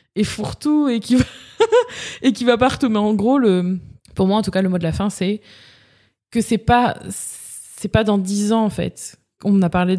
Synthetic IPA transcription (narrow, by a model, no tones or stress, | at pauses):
efuʁt̪uekʲiva | ekivapaʁt̪umɛɑ̃ɡʁoləmpuʁmwaɑ̃t̪ukaləmwad̪əlafɛ̃sɛ | kəsɛpasː | ɛpad̪ɑ̃d̪izɑ̃ːfɛ̰t̪ | ɔ̃napaʁle